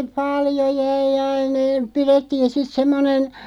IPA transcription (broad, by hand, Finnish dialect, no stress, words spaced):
pɑljo jæi ɑin e piretːiːn̞ sit semːonen